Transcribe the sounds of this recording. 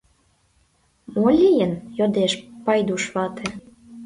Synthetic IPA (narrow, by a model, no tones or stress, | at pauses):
molʲijənjod̪eʃpɑjd̪uʃβɑt̪ʰĕ